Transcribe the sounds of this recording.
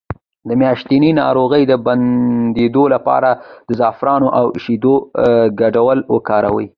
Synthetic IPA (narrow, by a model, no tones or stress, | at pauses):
d̪əmjɑʃt̪ininɑ̰ɾoɣəjd̪əband̪ed̪olapɑ̰ɾad̪̥əzɑfɾɑnoʔawʃid̪oɡaɖawəlwə̰kɑɾa̰wə̰j